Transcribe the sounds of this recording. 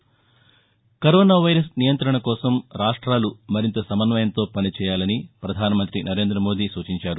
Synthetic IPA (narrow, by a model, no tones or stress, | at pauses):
kɐɾoːnaːʋɐjɾɐsnijɐnt̪ɾɐɳɐkɔːsɐmɾaːʂʈɾaːlumɐɾint̪ɐsɐmɐnʋɐjɐnt̪o̞ːpɐnit͡ʃɛːjaːlɐnipɾɐd̪ʱaːnɐmɐnt̪ɾinʔɐɾe̞ːnd̪ɾɐmoːd̪iːsuːt͡ʃiɲt͡ʃaːɾu